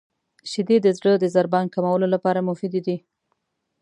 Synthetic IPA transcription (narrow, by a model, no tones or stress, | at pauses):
ʃɪd̪ed̪əzɽəd̪əzaɾbɑnkamawəlolapɑɾamʊfid̪id̪i